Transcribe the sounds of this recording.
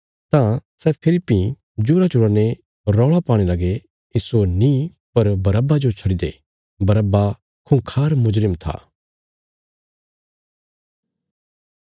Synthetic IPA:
t̪ãsɛːpʰɪlɪpːi | d͡ʒuɾat͡ʃʊɽane | ɾɔːɭapaːɽ̃elɐɡe | ɪsonĩ | pɐɾbɐɾəbad͡ʒot͡ʃʰɐɽid̪ḛ | bɐɾəbːa | kʰũkʰaːɾmʊd͡ʒɾɪmt̪ʰa̰ː

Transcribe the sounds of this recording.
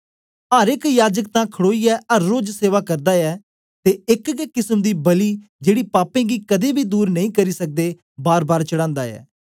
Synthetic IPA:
aːɾɪkjaːd͡ʒək̚t̪ãːkʰəɽoːiːɛːəɾːoːd͡ʒseːʋaːkəɾd̪aːɛː | t̪eːɪkkɪsəmd̪iːbəliːd͡ʒeːɽiːpaːpẽːɡiːkəd̪eːbʱiːd̪uːɾnəĩːkəɾiːsək̚d̪eː | baːɾbaːɾt͡ʃəɽãːnd̪aːɛ̰ː

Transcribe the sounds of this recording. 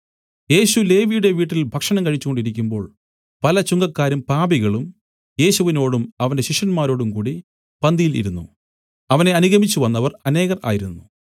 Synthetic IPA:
je̞ːɕule̞ːʋijuɽe̞ʋiːʈːilbʱɐkʂɐɳɐmkɐɻit͡ɕːuko̞ɳɖiɾik̬ʲːumbo̞ːɭ | pɐlɐt͡ɕuŋɡɐkːaːɾumpaːbiɣɐɭum | je̞ːɕuʋino̞ːɽumɐʋɐnde̞ɕiʂɐnmaːɾo̞ːɽumkuːɽi | pɐnd̪ijilḭɾunːṵ | ɐʋɐne̞ɐnuɣɐmit͡ɕːuʋɐnːɐʋɐrɐne̞ːɣɐrʔa̰ːjiɾunːu

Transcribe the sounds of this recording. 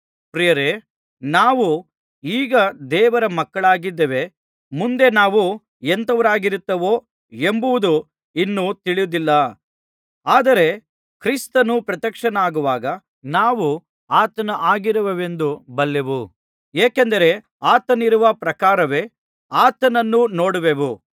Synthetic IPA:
pɾijɐɾe | naːʋu | iːɡɐd̪ɛːʋɐɾɐmɐkːɐɭaːɡid̪ːeʋe̞ | mund̪e̞naːʋu | ent̪ɐʋɐɾaːɡiɾut̪ːɐʋo̞ː | e̞mbuʋud̪u | inːut̪iɭijud̪ilːɐ | aːd̪ɐɾe̞ | kɾist̪ɐnupɾɐt̪ɐkʂɐnaːɡuʋaːɡɐ | naːʋu | aːt̪ɐnɐʔaːɡiɾɐʋeʋe̞nd̪ubɐlːeʋu | eːkend̪ɐɾe̞ | aːt̪ɐniɾuʋɐpɾɐkaːɾɐʋe̞ | aːt̪ɐnɐnːuno̞ːɽuʋeʋu

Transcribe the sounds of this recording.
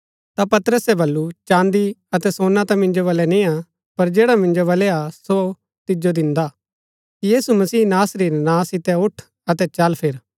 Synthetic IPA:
t̪apɐt̪ɾəsɛbɐlːut͡ʃãːnd̪iɐt̪ɛsõːnat̪ãmɪ̃nd͡ʒoβɐlɛnĩa | pɐɾd͡ʒeːɽamɪ̃nd͡ʒobɐlɛaso | t̪ɪd͡ʒod̪ɪ̃nd̪aː | kijiːsumɐsiːnaːsɾiːɾnãːsɪt̪ɛʊʈʰ | ɐt̪ɛt͡ʃɐlpʰɪɾ

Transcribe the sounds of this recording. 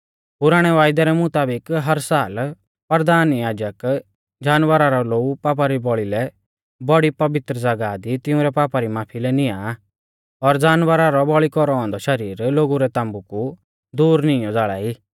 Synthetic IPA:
pʊɾaːɽ̃ɛʋaːjd̪aɾɛmʊt̪aːbɪkɦɐɾsaːl | pɐɾd̪aːnjaːd͡ʒək | d͡ʒaːnʋəɾaɾɔloːupaːp̬aɾibɔɭilɛ | bɔɽipɐʋɪt̪ɾəd͡zɐɡad̪it̪ɪʊ̃ɾɛpaːpaɾimaːpʰilɛnɪja | ɔɾd͡zaːnʋəɾaɾɔbɔɭikɔɾɔɔ̃ːnd̪ɔʃɐɾiːɾloːɡuɾɛt̪ãːmbuku | d̪uːɾnɪ̃ɔd͡zaːɭa̰ːi

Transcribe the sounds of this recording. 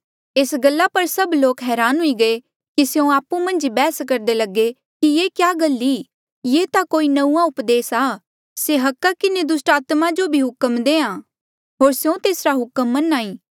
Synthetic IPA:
eːsɡɐlːapɐɾsɐbloːkɦɛːɾaːnɦʊiɡɐe | kiseõaːpːũmɐ̃nd͡ʒibɛːskɐɾd̪elɐɡe | kijeːkjaːɡɐlːi | jeːt̪akoːinɐũãʊpd̪eːsaː | seɦɐkːakɪned̪ʊsʈaːt̪mad͡ʒobʱiɦʊkəmd̪eːãː | ɦoːɾsjõt̪eːsɾaɦʊkəmːɐnaːĩː

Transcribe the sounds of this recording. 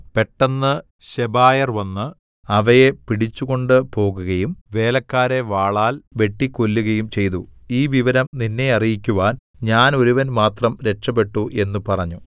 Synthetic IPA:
pe̞ʈːɐnːɨ | ɕebaːjɐrʋɐnːɨ | ɐʋɐje̞piɽit͡ɕːuɣo̞ɳɖɨpo̞ːɣuɣɐjumʋe̞ːlɐkːaːɾe̞ʋaːɭaːlʋe̞ʈːikolːuɣɐjumt͡ɕe̞jt̪uiːʋiʋɐɾɐmninːe̞ɐrijikʲːuʋaːn | ɲaːno̞ɾuʋɐnmaːt̪rɐmɾe̞ʈʂɐpe̞ʈːuʔe̞nːupɐrɐɲːu

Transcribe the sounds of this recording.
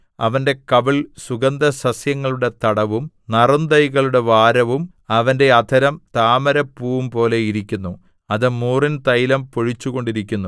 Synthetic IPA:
ɐʋɐnde̞kɐʋiɭsuɡɐnd̪ɐsɐsjɐŋːɐɭuɽe̞t̪ɐɽɐʋum | nɐrɐnd̪ɐjɣɐɭuɽe̞ʋaːɾɐʋum | ɐʋɐnde̞ɐd̪ʰʱɐɾɐmt̪aːmɐɾɐpːuːʋumpo̞ːle̞iɾikʲːunːu | ɐðɨmuːrint̪ɐjlɐmpoɻit͡ɕːuɣo̞ɳɖiɾikʲːunːu

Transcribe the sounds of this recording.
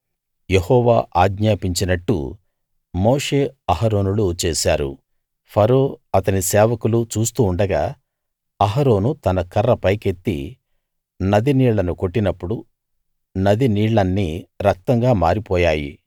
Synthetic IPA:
jehɔːʋa̰ːʔaːɡɲaːpiɲt͡ʃinɐʈːṵ | moːʂe̞ːɐɦɐɾo̞ːnulut͡ʃeːsaːɾṵ | pʰɐɾoːɐt̪ɐnisɛːʋɐkulut͡ʃuːst̪uːɳɖɐɡaː | ɐɦɐɾo̞ːnut̪ɐnɐkɐrːɐpɐjke̞t̪ːḭ | nɐd̪iniːɭːɐnuko̞ʈːinɐpːuɽu | nɐd̪iniːɽːɐnːiɾɐk̚t̪ɐŋɡaːmaːɾipɔːjaːjḭ

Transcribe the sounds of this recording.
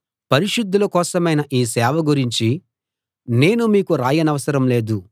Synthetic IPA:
pɐɾiʃud̪ʱːulɐkɔːsɐmɐjnɐʔiːsɛːʋɐɡuɾiɲt͡ʃi | ne̞ːnumiːkuɾaːjɐnɐʋɐsɐɾɐmle̞ːd̪u

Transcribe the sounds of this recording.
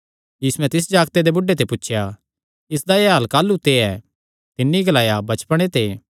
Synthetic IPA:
jiːsuɛ̃t̪ɪs̬d͡ʒaːɡt̪ed̪ebʊɖːet̪epʊtːʃʰja | ɪs̬d̪ajeɦaːlkaːlːut̪eɛː | t̪ɪnːiɡɐlaːjabɐt͡ʃpəɽ̃et̪eː

